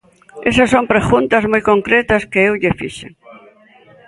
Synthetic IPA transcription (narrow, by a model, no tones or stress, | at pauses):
esɐsompɾeɣunt̪ɐzmojkoŋkɾet̪ɐskeewʎefḭʃḛŋ